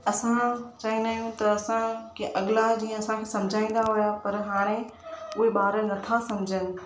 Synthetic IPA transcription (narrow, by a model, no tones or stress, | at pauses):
ɐsãt͡ɕaːĩnaːjũt̪ɐɐsãkeʔɐɡɪlad͡ʑiːə̃ɐsãkʰeːsɐ̃md͡ʑʱaːĩːn̆d̪aɦʊjapɐɾɦaːɽ̃e | ʊɦeɓaːɾənɐt̪ʰasɐmd͡ʑʱənɪ̆